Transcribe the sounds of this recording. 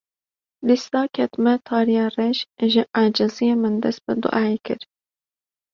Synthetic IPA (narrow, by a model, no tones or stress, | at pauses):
d̪ist̪ɑːkʲʰɛt̪mɛt̪ʰɑːɾijɑːrɛʃʒɪʔaːd͡ʒɨzijemɨnd̪ɛst̪̚bɨd̪ʊ̰ʔaːekʰɨ̰ɾ